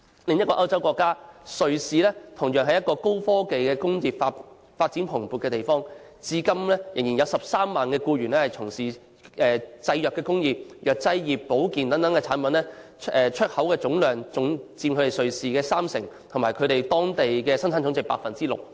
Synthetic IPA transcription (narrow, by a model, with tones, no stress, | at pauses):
lɪ˨ŋjɐ˥t̚kɔː˧ʔɐ˥wt͡sɐ˥wkɔː˧kːaː˥sɵ˨ɥsiː˨lɛː˥t̪ʰʊ˨˩ŋjœː˨˩ŋɦɐ˨jɐ˥t̚kɔː˧ko˥wfɔː˥ke˨jkɛː˧kʊ˥ŋjiː˨p̚fa˧ | faː˧t̚t͡siː˨˥npʰʊ˨˩ŋpuː˨t̚kɛː˧t̪e˨˩jfɔː˥ŋ | t͡siː˧kɐ˥mlɛː˥jɪ˨˩ŋjiː˨˩njɐ˨˧wsɐ˨p̚saː˥mːaː˨nkɛː˧kuː˧ɥyː˨˩nlɛː˥hɐ˨jt͡sʰʊ˨˩ŋsiː˨˩ | ʔɛː˨t͡sɐ˧jjœː˨kːɛː˧kʊ˥ŋjiː˨p̚jœː˨˩k̚t͡sɐ˧jjiː˨˩pːo˨˥wkiː˨nt̪ɐ˨˥ŋt̪ɐ˨˥ŋkɛ˧t͡sʰaː˨˥npɐ˨˧nlɛː˥ | ɛː˨t͡ʃʰɵ˥t̚hɐ˨˥wkɛː˧t͡sʊ˨˥ŋlœː˨ŋt͡sʊ˨˥ŋt͡siː˧mkʰɵ˨˧ɾe˨jsɵ˨ɥsiː˨kɛː˧saː˥msɪ˨˩ŋt̪ʰmaː˨˩jkʰɵ˨˧ɥt̪e˨jt̪ɔː˥ŋt̪e˨jkɛː˧sɐ˥nt͡sʰaː˨˥nt͡sʊ˨˥ŋt͡sɪ˨k̚pa̰ː˧k̚fɐ˨nt͡siː˥lʊ̰˨k̚